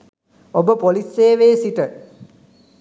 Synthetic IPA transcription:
obəpoliseːʋeːsiʈə

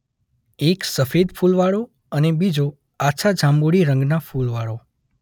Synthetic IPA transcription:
eksəfed̪fulʋaɭo | ənebid͡ʒo | aʃʰad͡ʒʱãmbuɽiɾəŋɡnafulʋaɽo

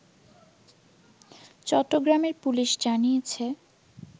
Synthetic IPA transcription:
t͡ɕɔʈːoɡɾameɾpuliʃd͡ʑanijet͡ɕʰe

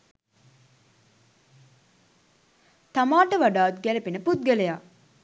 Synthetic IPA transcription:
t̪amaːʈəʋaɖaːʋut̪ɡælepinəput̪̚ɡələja

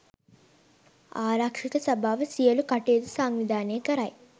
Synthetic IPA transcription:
aːɾaːkʂikɐsɐbʱaːʋɐsijɐlukɐʈeːd̪usaːŋʋid̪ʱaːneːkɐɾaːj

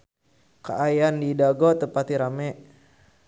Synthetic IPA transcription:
ka̰ʔajandidaɡɔt̪əpat̪iɾamɛʔ

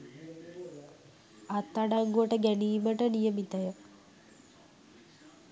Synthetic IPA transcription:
at̪ːaɽaŋɡuəʈəɡæniːməʈənijəmit̪ɐjə

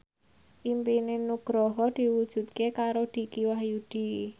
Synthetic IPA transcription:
ʔimpinenuɡ̥ɾɔɦɔd̪̥i̤wud̥ʒ̥ṳt̪̚kekaɾod̪̥i̤kiwahjud̪̥i̤

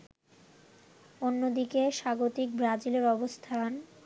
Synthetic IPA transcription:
onːod̪ikeʃaɡot̪ik̚bɾad͡ʑileɾɔbost̪ʰan

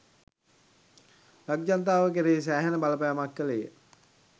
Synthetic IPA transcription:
laɡ̚d͡ʒant̪aːʋək̬eɾeːs̬æːɦenəbaləpajamakːəlejə

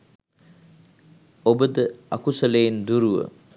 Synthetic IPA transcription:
obəd̪əɐkusɐlejind̪uɾuʋə̰

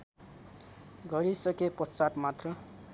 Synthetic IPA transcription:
ɡʱʌɾisʌkepʌt͡saʈmat̪rʌ

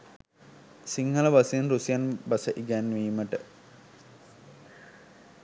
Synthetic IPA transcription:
siŋhɐləʋasienrusijanbɐsəʔiɡæːnːʋiːməʈə

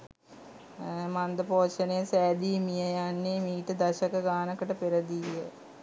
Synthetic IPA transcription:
mand̪əpoːʃɐnejəsɛːd̪iːmijəjanːemiːʈəd̪ɐɕɐkɐɡaːnɐkəʈəpeɾəd̪iə

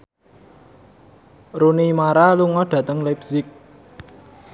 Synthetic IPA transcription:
runimaɾaluŋɔɖ̥ä̤t̪əŋlebzɪk̚

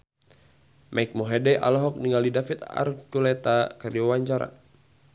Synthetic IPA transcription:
mʔaik̚mɔɦɛdɛʔa̰lɔɦɔk̚niŋalidafit̪a̰rkulɛt̪akariɔwaɲt͡ʃaɾa̰

